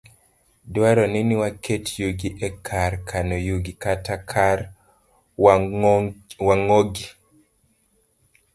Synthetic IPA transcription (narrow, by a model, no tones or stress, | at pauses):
dwaɾɔniniwakʰetjuɡiʔɛkʰaɾkʰanojuɡikatakʰaɾ | waŋoɡi